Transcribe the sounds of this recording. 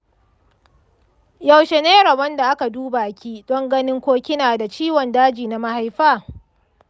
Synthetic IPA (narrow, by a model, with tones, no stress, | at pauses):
ja˨wʃe˨neː˦ɽɐ˨bɐ˦nda˨ʔa˦ka˨duː˦ba˨ʔa˨kʲiː˦d̥ɔ˦ŋɡɐ˦nɪ˦ŋkʷoː˦kʲɪ˦naː˨da˨t͡ʃiː˦wɔ˨ndaː˦d͡ʒiː˨na˦ma˦ha˦jɸaː˦